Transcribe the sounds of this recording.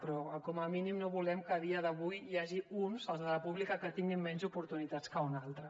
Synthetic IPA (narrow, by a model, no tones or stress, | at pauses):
pɾɔkɔməminimnoβulɛmkəð̞iəðəβujːaʒiunsalˠzðələpuβlikəkət̪iŋɡimːɛnzupuɾt̪unit̪at͡skəunalˠt̪ɾə